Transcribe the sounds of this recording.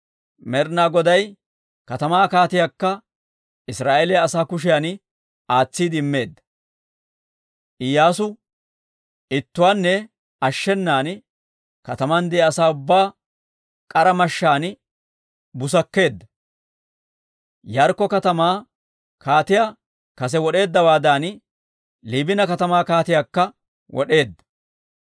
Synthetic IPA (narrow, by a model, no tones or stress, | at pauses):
mɛɾnaːɡɔd̪ɐj | kɐt̪ɐmaːkaːt̪ɪjakːɐ | ɪsɾaːʔelɛjɐsaːkʊʃ̬ɪjan | aːt͡sːiːd̪ɪɪmːe̞ːd̪ːɐ̥ | ʔɪjːaːsʊ | ɪt̪ːʊwaːnːɛ | ɐʃːɛnːaːn | kɐt̪ɐmɐnd̪ɛːɐsaːʊbːaː | kʼɐɾɐmɐʃːaːn | bʊs̬ɐkːe̞ːd̪ːɐ | jɐɾkːɔkɐt̪ɐmaː | kaːt̪ɪjaː | kɐs̬ɛwɔɗe̞ːd̪ːɐwaːd̪aːn | liːbɪnɐkɐt̪ɐmaːkaːt̪ɪjaːkːɐ | wʔɔ̰ɗe̞ːd̪ːɐ̥